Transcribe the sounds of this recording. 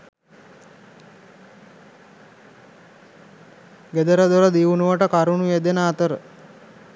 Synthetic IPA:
ɡed̪əɾəd̪oɾəd̪iʋunuʋəʈəkaɾunujed̪enaːt̪əɾə

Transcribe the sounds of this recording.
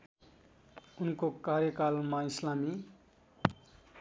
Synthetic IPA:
unkokaɾjʌkalmaislami

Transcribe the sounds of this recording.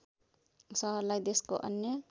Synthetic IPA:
sɔɦlajd̪esko̰ʔɐ̰njə

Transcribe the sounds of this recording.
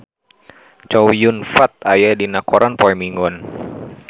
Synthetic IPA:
t͡ʃɔwjunfat̪̚ajadinakɔɾʔanpɔjmiŋɔn

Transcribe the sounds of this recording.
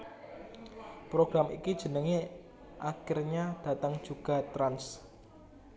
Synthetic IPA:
pɾoɡ̥ɾamḭkid̥ʒ̥ə̤nəŋe | ʔakɪrɲad̥a̤t̪əŋd̥ʒ̥uɡ̥a̤t̪ɾans

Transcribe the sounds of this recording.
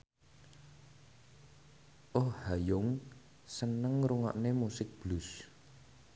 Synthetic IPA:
ʔohhajʊŋ | sənəŋɾuŋa̰ʔnemusɪk̚b̥lus

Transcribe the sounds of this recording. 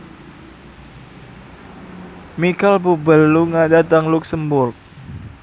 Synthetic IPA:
mikalpubəlːuŋadat̪aŋluk̚səmbʊrk̚

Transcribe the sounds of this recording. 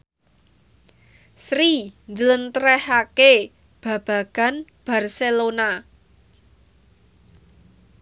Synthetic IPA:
sɾiɲd͡ʒələnt̪ɾɛhake | b̥ä̤b̥ä̤ɡ̥a̤nb̥a̤rselona

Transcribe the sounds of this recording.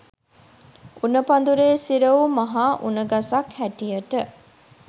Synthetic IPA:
unəpand̪uɾeːsiɾəumɐɦaːʔunəɡasakhæʈijəʈə

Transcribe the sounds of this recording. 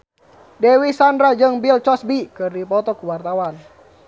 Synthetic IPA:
dɛwisandɾad͡ʒɨŋbilt͡ʃɔsbikɨrdipɔt̪ɔkuwart̪awan

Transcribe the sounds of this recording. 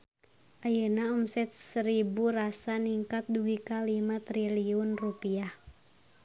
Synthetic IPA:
ʔajənaɔmsɛt̪̚səɾibuɾasaniŋkat̪̚duɡikalimat̪ɾiliunrupiah

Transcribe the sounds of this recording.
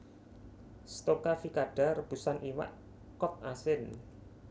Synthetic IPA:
st̪okafikaɖ̥a̤rəb̥ṳsanʔiwa̰ʔ | kɔt̪̚asɪn

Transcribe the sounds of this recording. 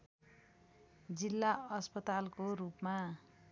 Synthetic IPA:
d͡zilːaʌspʌt̪alkorupma

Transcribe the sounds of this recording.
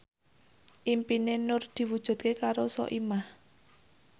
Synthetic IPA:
ʔimpinenʊrd̪̥i̤wud̥ʒ̥ṳd̪̚kekaɾosɔ̰ʔimah

